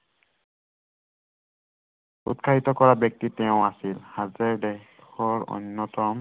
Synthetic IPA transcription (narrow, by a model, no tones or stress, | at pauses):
ṵtkʰaɦitɔkɔɹabjɔk̚titɛʊ̃asilhazɛɹdɛ | xɔɹɔ̰nːɔtɔm